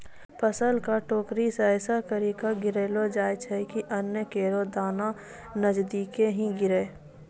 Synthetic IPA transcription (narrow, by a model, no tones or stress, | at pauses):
pʰəsəlkaʈoːkɾisɛːsakəɾikaɡɪɾeːlod͡ʒaːjt͡ʃʰɛkiʔənjəkeːɾod̪aːna | nəd͡ʒd̪iːkeɦĩɡɪɾeː